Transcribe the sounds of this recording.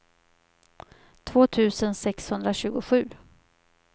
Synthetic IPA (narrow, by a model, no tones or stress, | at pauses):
t̪ʰvoːt̪ʰʉ̟ːsənsɛkshɵnd̪ɾaɕʉ̟ːɡʊɧʉ̟ː